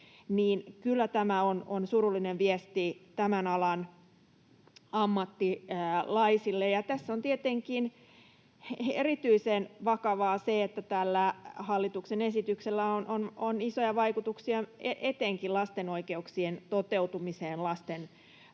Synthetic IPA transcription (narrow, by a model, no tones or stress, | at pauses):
niːnkylːæt̪æmæononsurulːineʋʋiest̪it̪æmænɑlɑn | ɑmːɑt̪ːiːlɑisilːejɑt̪æsːont̪iet̪eŋkin | erit̪yisenʋɑkɑʋɑːseet̪ːæt̪ælːæhɑlːit̪uksenesit̪ykselːæonʔononisojɑʋɑikut̪uksiɑeʔet̪eŋkilɑst̪enoikeuksient̪ot̪eut̪umiseːnlɑst̪en